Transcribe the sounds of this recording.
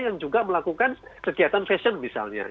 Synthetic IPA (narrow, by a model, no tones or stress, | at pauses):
jaŋd͡ʒuɡaməlakukankəɡiat̪anfɛsənmisa̰lɲa̰